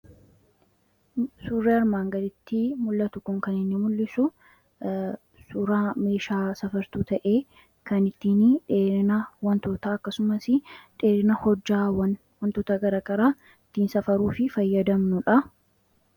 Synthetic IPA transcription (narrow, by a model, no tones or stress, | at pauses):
suːrːeːɐɾmaːŋɡɐd̪ɪt̪ːɪmʊlːɐt̪ʊkʊŋkɐnɪnːɪmʊlːɪsʊ | suːɾaːme̞ːʃaːsɐfɐɾt̪uːt̪ɐʔeː | kɐnɪt̪ːiːnᶑeːɾɪnɐwɐnt̪oːt̪aɐkːɐsʊmɐsɪᶑe̞ːɾɪnɐhɔd͡ʒːaːwɐn | wɐnt̪oːt̪ɐɡɐɾɐkʼɐɾaː | ɪt̪ːiːnsɐfɐɾuːfɪfɐjːɐd̪ɐmnʊᶑɐ